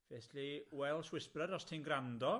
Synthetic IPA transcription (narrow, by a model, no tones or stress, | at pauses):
veθiwɛlˠswɪsprəɾɔstʰenɡrandɔ